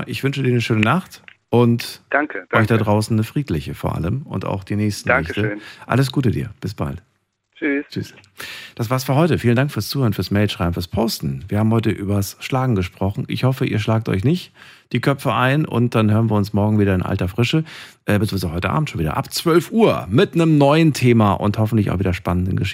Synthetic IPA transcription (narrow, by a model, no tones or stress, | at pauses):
ʔɪçv̥ʏnʃədiːɐnəʃøːnənaχt | ʔʊntd̥aŋkəʔɔʏçd̥adʁaʊsn̩nəfʁ̥iːtlɪçəfoːɐʔa̰ləmʔʊ̰nta̰ʊxd̥iːnɛːçstn̩aɛçtənʔa̰ləs̬ɡ̥uːtədḭːɐb̥ɪsb̥a̰lt | t͡ʃyst͡ʃys | d̥asvaːɐsfyːɐhɔʏtəfiːlən̩daŋkfyːɐst͡suːhøːɐnfyːɐsmɛːlʃʁaɪbm̩fːɐspʰoʊstn̩viːɐhaːm̩hɔʏtəʔyːbɐsʃlaːɡŋ̩ɡəʃpʁ̥ɔχn̩ʔɪ̰çhɔfəʔḭːɐʃlaːk̚tʔɔ̰ʏçnɪçtd̥iːkʰœpp͡fəʔaɪnʔʊ̰nt̚d̥anɦøːʁənviːɐʊnsmɔɐɡŋ̩viːɾɐɪnʔa̰ltɐfʁ̥ɪʃəʔɛːbət͡sɔnzaʊhɔʏtəʔa̰ːbm̩tʃoːnviːdɐ̰ʔa̰pt͡sv̥œlfʔuːɐmɪtnəmnɔʏəntʰeːmaːʔʊ̰nthɔfn̩tlɪça̰ʊfviːdɐʃpanəndənɡəʃɪ